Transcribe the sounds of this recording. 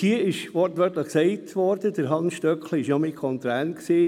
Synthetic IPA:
hiəɪʃʋɔɾtʋœtləχksɛɪtʰʋɔɾd̥ədəɾɦɑnsʃtœkliɪʃnɔmɪkʰɔntæːnksiː

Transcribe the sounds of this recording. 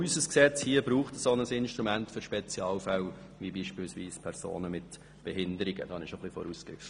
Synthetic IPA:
ysəsksɛt͡shiəbɾuːχtəsonəsɪnʃtɾumæntfʏɾʃpɛt͡sjɑːlfæw | ʋibiːʃpiːlsʋiːspʰɛɾso̰ːnəmɪt | b̥ɛɦɪndəɾɪɡ̥ə̰d̥ɑnɪʃoχlifɔ̰ɾuːskɾɪ̰ft

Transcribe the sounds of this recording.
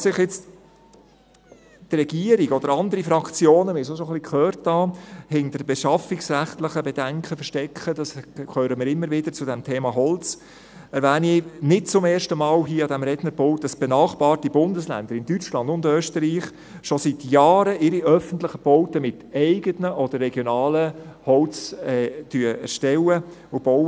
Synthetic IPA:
sɪχjɛt͡st | trɛɡiəɾiɡɔd̥əɾɑnd̪əɾifɾɑkt͡sjoːnəmɪːsoʃɔχlikχøːɾtʰːɑːhɛŋdəɾbɛʃɑfɪksræχtlɪχəbɛdæŋkχəfəʃtɛkʰχədɑskʰøːɾəmɪːɾɪmːəɾʋɪd̥əɾt͡sʊdɛmtʰeːmɑɦɔlt͡s | ɛɾvæːninɪt̚t͡sʊmɛːɾʃtəmɑːlɦiːɑdæmɾɛdnəɾbɔʊt̚dəsb̥enɑːχb̥ɑːrtibʊndəslæ̰nd̥̪əɾɪndyt͡ʃlɑndʊndøːstəɾiːχ | ʃosit̪jɑːɾəʔɪɾiʔœfəntlɪχəb̥ɔʊtəmɪt̪ɛɪɡətnəʔɔd̥əɾːɛɡjɔnɑːləhɔlt͡sɛtyəɛ̰ɾʃtɛləʊb̥ɔw

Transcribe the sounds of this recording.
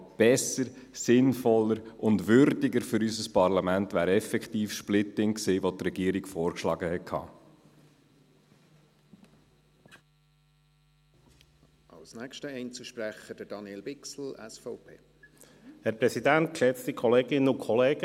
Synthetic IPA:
b̥ɛsəɾ | sɪnfɔlːəɾʊndʋʏɾdɪɡəɾfʏɾysəspɑɾlɑmæntʋæːɾɛfɛkt̪iːfʃplɪt̪ɪŋksiːʋot̪rɛɡ̥iəɾikfɔːɾkʃlɑːɡəhɛtkʰhɑ̰ː | ʔɑ̰lsnækʃtəɛɪnt͡suʃpɾæχəd̥əd̥ɑnjelbɪksl̩ɛsfɔʊpʰeː | hɛɾpɾɛsidænt̪̚kʃɛt͡st̪ikʰɔleːɡɪnəʊkʰχɔleːɡ̥ə

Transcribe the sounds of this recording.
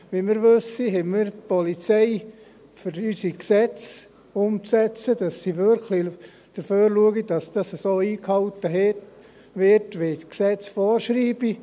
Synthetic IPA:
ʋimɪɾʋɵsiɦɛmiɾtpɔlit͡seɪ | fyɾysiksɛt͡s | ʊmt͡sɛt͡səd̥ɑsːiʋøɾkʰli | d̪̥əɾføːɾluəɡid̥ɑsd̥ɑsəsoːiːkhɑwtəɦɛt | ʋɪɾtʋetksɛt͡sfɔːɾʃɾiːb̥i

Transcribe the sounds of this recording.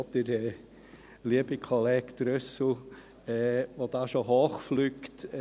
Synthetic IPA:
d̪ɪɾɛ | liəbikʰɔlɛːkt̪ɾœsl̩ | ɛːʋod̪ɑːʃoɦoːχflyːkt̪

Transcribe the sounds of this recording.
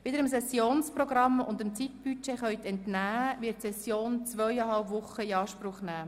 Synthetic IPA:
ʋɪdəɾəmsɛsjoːnsprɔɡɾɑmʊ̰nd̪əmt͡sit̪̚b̥yt͡ʃeχœʏɥt̪ɛntnæːʋɪətsɛsjoːnt͡svœɥjɑɦɑlpʋʊχəiɑːʃpɾʊχnæː

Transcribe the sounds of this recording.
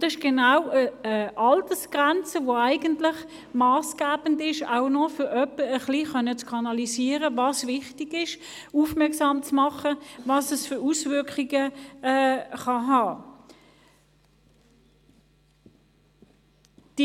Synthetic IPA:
d̥ɑɪʃɡ̥enaʊəʔɑltəsɡ̥ʁɛnt͡səvoæɪɡəntlɪχ | mɑːsɡ̥æːb̥əndɪʃa̰ʊnɔfʏʁœpəəχliχœnːət͡skʰɑnɑlisiːəʁəvɑːsvɪχtiɡ̥ɪʃ | uːfmɛɐksɑːmt͡smɑχəvɑsəsfʏusvʏɐkχiɡəɛːχɑɦɑː | d̥i

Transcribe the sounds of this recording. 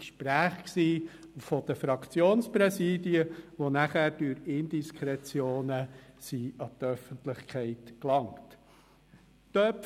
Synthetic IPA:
kʃpɾæːχksiː | fɔd̥̪əfɾɑkʰt͡sjoːnspɾɛsiːdiəʋonæχæːɾd̥yɾɪnd̪iskʰχɾɛt͡sjoːnəsiɑt̪œfəntlɪχkʰχɛɪtklɑŋt | tœp

